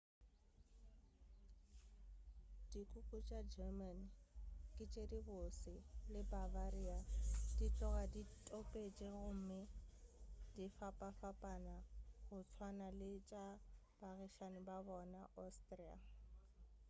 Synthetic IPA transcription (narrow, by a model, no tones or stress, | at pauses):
d̥ikʼukʼut͡ʃʼad͡ʒɛmanikʼɪt͡ʃʼedibosɪlɪbabariad̥it͡ɬʼɔɣaditʼopʼet͡ʃʼeɣʊm̩mɪ | d̥ifapʼafapʼanaɣʊt͡sʰwanalɪt͡ʃʼa | b̥aɣɪʃanɪbabɔnaʔɔstʼria̰